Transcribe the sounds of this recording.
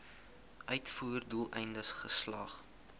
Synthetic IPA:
ʔœɥtfuːrdulˠʔɛjndəsχəslɐχ

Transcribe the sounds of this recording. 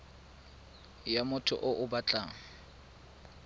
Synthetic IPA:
jamʊtʰʊ̰ʔʊʔʊbat͡ɬʼaːŋ̩

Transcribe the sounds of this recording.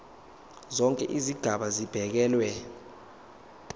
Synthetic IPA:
zɔŋkʼɛ̰ʔiziɡ̥ʱaɓazib̥ʱɛk̬ɛːlwɛ

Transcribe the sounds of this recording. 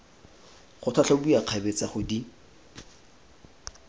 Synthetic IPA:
χʊtʰat͡ɬʰɔbujaq͡χʰabet͡saχʊdi

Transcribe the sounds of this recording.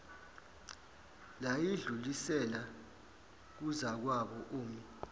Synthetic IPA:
lajiɮulisɛla | k̬uzak̬waɓɔʔuːmi

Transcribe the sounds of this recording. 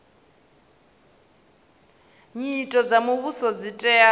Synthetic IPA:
ɲitʼɔd͡zamuβusɔd͡zitʼɛa

